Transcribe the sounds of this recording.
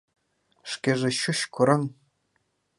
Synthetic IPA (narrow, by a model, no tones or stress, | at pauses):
ʂkʲeʐĕɕuɕkʰuɾɤ̆ŋ